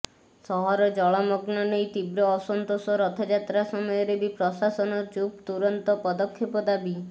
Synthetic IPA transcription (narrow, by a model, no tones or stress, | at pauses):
sɔɦɔɾɔd͡ʒɔɭɔmɔɡnɔnejt̪ibɾɔːsɔnt̪osɔɾɔt̪ʰɔd͡ʒat̪ɾasɔmɔjɔɾebipɾɔsasɔnɔd͡ʒup̚t̪uɾɔnt̪ɔpɔd̪ɔkʰːepɔd̪abi